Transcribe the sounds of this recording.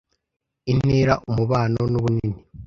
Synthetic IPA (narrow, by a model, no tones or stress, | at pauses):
in̥iːɾaʔumuβaːno̞nuβunini